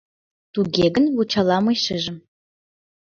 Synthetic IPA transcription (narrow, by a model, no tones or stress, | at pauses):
t̪uɡʲeɡənwut͡ɕɑlˠɑmɤjʃəʒə̆m